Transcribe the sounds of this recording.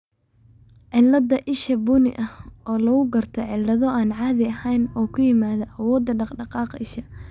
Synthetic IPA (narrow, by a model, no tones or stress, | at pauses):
ʕɪlːɐd̪ɐʔɪʃɐbʊnɪ̰ʔɐhɔːlɐɣʊɡɐrt̪ʰɔʕɪlːɐðɔʔaːnʕɑːðɪɐhɛjnɔːkʰʊjɪmaːðɐʔɐwɔːd̪ːɐɖɑqɖɑqɑːqɪʃɐ